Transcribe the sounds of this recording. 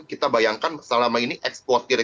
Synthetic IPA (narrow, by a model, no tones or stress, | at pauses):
kit̪abajaŋkansəlamainiʔɛkspɔrt̪ir